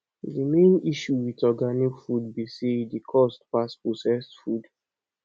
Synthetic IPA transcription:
dəmẽniʃuwitɔɡanikfud̚bisedikʰɔstpasposɛsfud

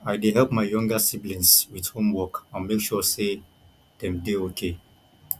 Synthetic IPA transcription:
aɪdeɦɛlˠp̚maɪjɔ̃ŋɡəsiblĩnswið̥hõmwɔkãnmekʃɔse | d̥ɛ̃mdeokʰe

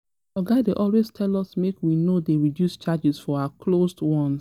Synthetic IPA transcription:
ɔɡadeʔɔlweztʰɛlɔsmekwinodeɹidjust͡ʃad͡ʒɪsfɔaakʰlosdwɔ̃ns

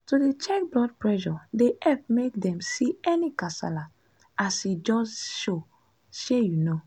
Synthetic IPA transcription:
tudet͡ʃɛk̚blɔd̚pɹɛʃɔdeʔɛp̚mek̚dɛ̃msiɛnikasa̰la | asid͡ʒɔsʃo | ʃejuno

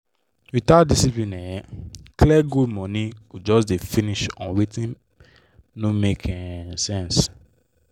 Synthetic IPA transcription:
witat̚disiplĩnɛjɛkliɛɡudmɔ̃nĩkud͡ʒɔsdefĩniʃɔ̃nɹitĩnː | omekʰɛ̃sɛ̃ns

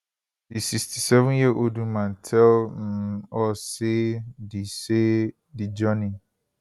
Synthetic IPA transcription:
disikstʰisɛvʊ̃njiʔodũmãntʰɛlm̩ɔsedise | did͡ʒɔnĩ

